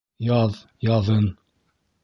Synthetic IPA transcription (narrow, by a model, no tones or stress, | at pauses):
jɑð | jɑðɤn